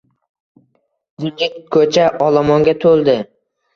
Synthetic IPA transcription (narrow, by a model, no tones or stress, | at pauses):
d̪ɪnd͡ʒɪkkʰːɵt͡ʃʰaʔɒlˠamɒŋɡʲat̪ʰolˠd̪ɪ